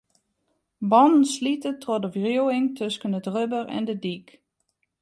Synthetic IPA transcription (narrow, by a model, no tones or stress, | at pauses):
bɔndən̩slitətrodəvriwɪŋtʰøskəndədrøbərɛ̰ndədik